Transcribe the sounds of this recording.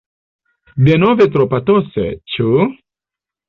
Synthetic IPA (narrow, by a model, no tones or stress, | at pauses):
denovet̪̬ɾopat̪ɔsḛt͡ʃu